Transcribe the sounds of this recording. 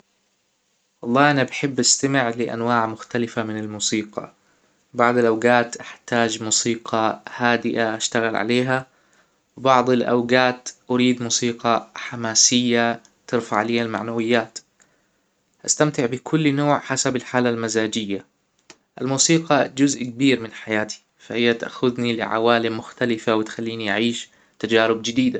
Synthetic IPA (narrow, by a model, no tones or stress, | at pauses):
wɑlˤːɑːʔanabħɪbːʔast̪amɪʕlɪʔa̰nwaːʕmʊxt̪alɪfamɪnɪlmuːsiːqɑ̰ | bɑʕd̪ˤɪlʔawɡaːt̪ʔaħt̪aːd͡ʒmuːsiːqɑhaːd̪ɪʔaʔaʃt̪aɣalʕa̰leːɦa | wbɑʕd̪ˤɪlʔa̰wɡaːt̪ʔʊɾiːd̪muːsiːqɑħamaːsɪjːa | t̪ɪɾfaʕleːhalma̰ʕnawɪjːaːt̪ | ʔast̪amt̪ɪʕbɪkʰʊlːnoːʕħasabalħaːlalmazaːd͡ʒɪjːa | ʔalmuːsiːqɑd͡ʒʊzʔk̚biːɾmɪnħajaːt̪ʰi̥ | fahɪjːat̪ʔa̰xʊðnilɪ̰ʕa̰waːlɪmːʊxt̪alɪfawɪt̪xalːiːniʔaʕiːʃ | t̪ad͡ʒaːɾɪbd͡ʒɪd̪iːd̪a